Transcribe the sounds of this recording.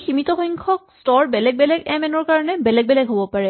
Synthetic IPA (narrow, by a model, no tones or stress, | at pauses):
ximit̪ɔxɔjŋkʰɔk̚stɔɹbɛlɛɡ̚bɛlɛɡɛmɛnɔɹkaɹɔnɛbɛlɛɡ̚bɛlɛɡɦobɔpaɹɛ